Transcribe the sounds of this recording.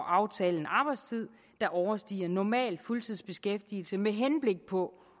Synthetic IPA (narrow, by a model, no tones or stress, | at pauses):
ʔɑ̈ʊt͡sʰɛːln̩ɑ̈b̥ɑ̈ɪ̥st͡sʰið̰ˠ | d̥ɑ̈ʔɒʊɐsd̥ḭːɐnɒmɛ̰ːl̥fult͡sʰið̞̰ˠsb̥e̝sɡ̥efd̥il̩səmeɦenb̥le̝ɡ̥̚pʰɒ̽